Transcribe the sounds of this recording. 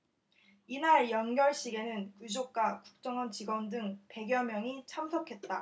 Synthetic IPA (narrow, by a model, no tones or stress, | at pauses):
inaɾjʌnɡjʌɭɕ͈iɡe̞nɯnkud͡ʑok̚k͈akuk̚t͡ɕ͈ʌŋʌnt͡ɕiɡwʌndɯŋpe̞ɡjʌmjʌŋit͡ɕʰamsʰʌkʰe̞t̚t͈a